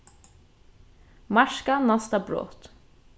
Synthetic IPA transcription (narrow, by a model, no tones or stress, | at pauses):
mɑʃkɑnɑst̪ɑbɾo̰ːt̪